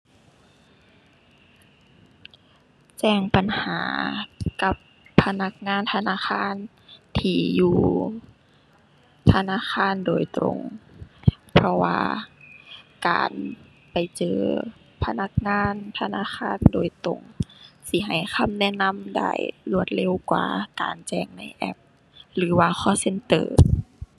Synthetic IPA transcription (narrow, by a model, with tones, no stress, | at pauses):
t͡ɕɛː˧˩ŋpa˨˩nhaː˨˩˦ka˧˦pʰː | a˧na˧˥k̚ŋaː˧˥˨nt̪ʰa˧naː˧˥˨xʰaː˧˥˨n | t̪ʰiː˧˩juː˧ | t̪ʰa˧naː˧˥˨xʰaː˧˥˨ndoː˨jt̪ɾo̰˨ŋ | pʰɔ˧wa̰ː˧ | ka̰ː˨˩n | pa˨˩jt͡ɕɤː˨˧ | pʰa˧na˧˥k̚ŋaː˧˥˨nt̪ʰa˧naː˧˥˨xaː˧˥˨ndoː˨jt̪ɾo̰˨˩ŋsi˧˩ɦa˨˩jxʰa˧˥˨mnɛ˧˨na˧˥˨mda̰ː˧˩jlu˧˩ət̪̚le˧˥˨wkwa̰ː˧˩ka̰ː˨˩nt͡ɕɛː˧˩ŋna˧˥˩jʔɛ̰˧p̚ | lɯː˨˩˦waː˧xʰɔː˧˩se˧˥nt̪ɤː˧˩